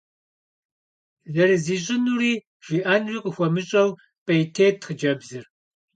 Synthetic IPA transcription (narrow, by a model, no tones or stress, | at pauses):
zɐrɨziːɕʼɪnuːriː | ʒ̥iʔɐnriːqʼəxʷɔmɨɕʼɐw | pʼɐjtʰeːtʰxəd͡ʒɐbzɨr